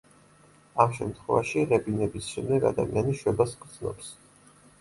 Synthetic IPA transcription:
amʃɛmt̪ʰχwɛvaʃiʁɛbinɛbisʃɛmd̪ɛɡa̰d̪a̰mianiʃwɛbaskʼɾd̪z̥nɔ̰ps

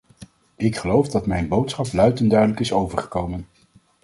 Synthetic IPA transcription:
ɪkχəlowvdɑtmɛjnbowtsχɑplœɥtəndœɥdələkɪsowvəɹχə̥kowmən

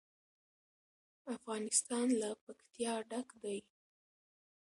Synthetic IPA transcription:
afɣɑnɪst̪ɑnlapakt̪jɑɖakd̪aj

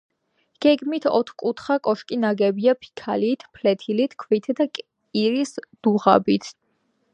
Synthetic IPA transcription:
ɡ̥ɛɡmit̪ʰɔ̰t̪ʰχkʼut̪ʰχakʼɔʃkʼinaɡɛbiapʰi̥kʰa̰liːt̪ʰpʰlɛt̪ʰilit̪ʰkʰvit̪ʰd̪akʼ | iɾisd̪̥uʁa̰bit̪ʰ

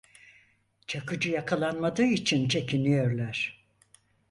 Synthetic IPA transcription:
t͡ʃʰakɯd͡ʒɯjakʰalˠanmad̪ɯːit͡ʃʰint͡ʃʰe̞kʰinijø̞ɾlʲˠaɾ̥

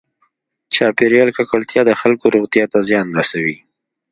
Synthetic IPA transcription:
t͡ʃɑpɪɾjɑlkakalt̪jɑd̪əxalkoɾoɣt̪ijɑt̪azjɑnɾasawi

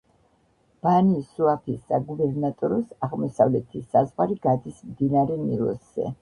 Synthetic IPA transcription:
b̥anisuapʰisːaɡubɛɾnat̪ʼɔɾɔsaʁmɔsavlɛt̪ʰisazʁaɾiɡ̥ad̪ismd̪inaɾɛnḭlˠɔ̰sz̥ɛ̰

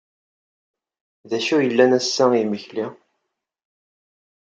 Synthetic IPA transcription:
ðæʃujəlːænæsːæiməçli

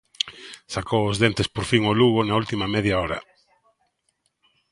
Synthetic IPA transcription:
sakowozðent̪espoɾfiŋoluɣonault̪imɐmɛðjaɔɾɐ̰

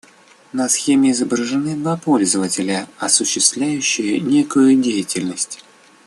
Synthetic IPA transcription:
nɐsxʲemʲɪɪzəbɾəʐɨnɨd̪vapo̞lʲzəvətʲɪlʲəɐsʊɕːɪst̪vlʲæjʉɕːɪjənʲe̞kʊjʊdʲejɪtʲɪlʲnəsʲtʲ

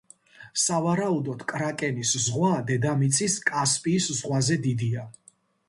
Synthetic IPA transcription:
savaɾaud̪ɔt̪kʼɾakʼɛniszʁwad̪ɛd̪amit̪sʰʼiskʼaspʼiːszʁwazɛd̪id̪ia

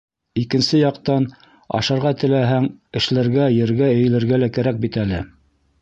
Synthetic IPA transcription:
ikɘ̆nsɘjɑqt̪ɑn | ɑ̰ʃɑ̆ɾʁɑt̪ɘ̆læɦæŋɘ̆ʃlæɾɡæjɘ̆ɾɡæɘ̆jɘ̆lɘ̆ɾɡælækæɾæk̚bit̪ælɘ̰

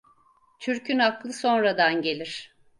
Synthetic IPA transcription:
t͡ʃʰyɾcʰynaklˠɯso̞nɾad̪anɟe̞lʲiɾ̥

